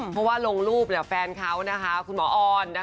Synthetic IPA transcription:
mpʰɔ˦˥waː˥˩lo˧ŋɾuː˥˩p̚ni˧˩fɛː˧nkʰa˦˥wna˦˥kʰa˦˥kʰu˧nmɔː˩˦ʔɔː˧nːa˦˥

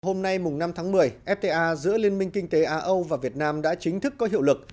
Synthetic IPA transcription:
ɦo˧mna˧jmʊ˨˩ŋ͡mna˧mt̪ʰaː˨˦ŋmɨ˨˩əjʔɛ˦˥p̚t̪e˧ʔaː˧zɨ̰˧˥əli˧ənmï˧ŋ̟kï˧ŋ̟t̪e˨˦ʔaː˨˧˩ʔə˧wvaː˨˩vi˨˩ət̚naː˧mɗa̰ː˧˥t͡ɕï˨˦ŋ̟t̪ʰɨ˦˥kːɔ˨˦ɦi˧˨wlɨ˨˩k̚

